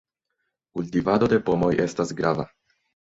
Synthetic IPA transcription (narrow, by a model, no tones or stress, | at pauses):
kultivado̞de̞po̞mo̞jʔe̞stasɡɾava̰